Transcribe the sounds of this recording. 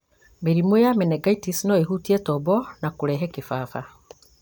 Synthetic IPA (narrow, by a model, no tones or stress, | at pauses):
meɾimwjamenɛɡaitisinɔeɦutiɛtɔbɔnakuɾɛɦɛkefaːfa